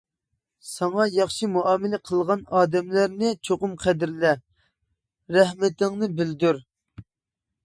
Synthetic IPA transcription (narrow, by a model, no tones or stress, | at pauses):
sɑŋɑjɑχʃimuɑːmɪlɛqʰəlˠʁɑnɑːd̪ɛmlæɾnɪt͡ʃʰoqʊmqʰɛd̪ɪɾlɛ | ɾɛhmɪt̪ɪŋnɨbɪld̪yɾ